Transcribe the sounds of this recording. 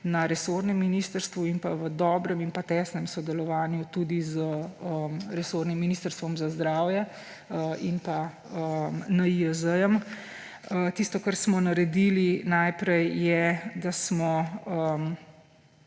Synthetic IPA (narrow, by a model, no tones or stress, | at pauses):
naɾɛsoɾnɛmːiniːst̪əɾst̪ʋuinpaʋəd̪ɔːbɾɛminpat̪ɛːsnɛmsɔd̪ɛlɔʋaːnjut̪ud̪izəəmɾɛsoɾnimːiniːst̪əɾst̪ʋɔmzazd̪ɾaːwjɛ | əinpa | əmnaiəzəjəm | ət̪ist̪ɔkaɾsmɔnaɾɛd̪iːlinajpɾɛjːɛd̪asmɔəm